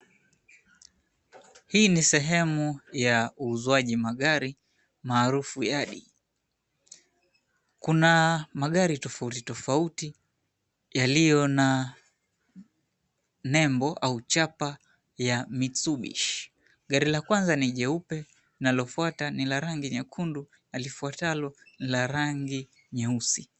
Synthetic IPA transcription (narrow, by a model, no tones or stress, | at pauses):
hiːnisɛɦɛmujauːzuaʄimaɠaɾi | maːɾufujaɗḭ | kunamaɠaɾitɔfautitɔfauti | jalijɔna | nɛmbɔʔaut͡ʃapa | jamit͡suɓḭʃ | ɡaɾilakwanzaniʄɛupɛ | nalɔfuatanilaɾaŋɡiɲɛkʰundu | nalifuatalɔnilaɾaŋɡi | ɲɛusi